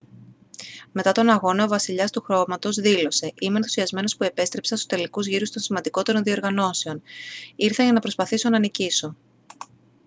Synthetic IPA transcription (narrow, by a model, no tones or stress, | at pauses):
me̞t̪ɐt̪o̞nɐɣo̞nɐovɐsiʎɐst̪uxɾo̞mɐt̪o̞zðilo̞se̞ʔime̞nθu̥siɐzme̞no̞spue̞pe̞st̪ɾe̞psɐnso̥t̪e̞likuzʝiɾust̪o̞nsimɐnd̪iko̞t̪e̞ɾo̞nðio̞ɾɣɐno̞se̞o̞niɾθɐʝɐnɐpɾo̞spɐθiso̞nɐniciso̞